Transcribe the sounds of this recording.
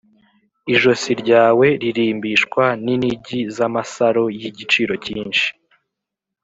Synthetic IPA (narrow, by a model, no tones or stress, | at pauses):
iʒo̞siɾɟaːwe̞ɾiɾiːmbiʃkwaniniɟizamasaɾo̞jiɟit͡ʃiːɾo̞ciːnʃi̥